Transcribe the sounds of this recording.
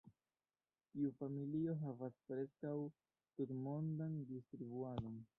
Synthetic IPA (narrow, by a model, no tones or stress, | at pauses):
tiufamilio̞ɦavaspɾe̞skaw | tuɾmo̞ndandistɾibuado̞n